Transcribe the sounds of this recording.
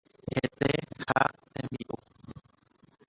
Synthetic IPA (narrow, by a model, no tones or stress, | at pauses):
het̪ehat̪ẽmbiʔu